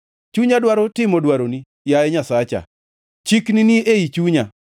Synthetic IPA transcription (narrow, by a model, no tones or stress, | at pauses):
t͡ʃuɲadwaɾotɪmodwaɾoni | jaɛɲasat͡ʃa̰ | t͡ʃikniniʔeit͡ʃuɲa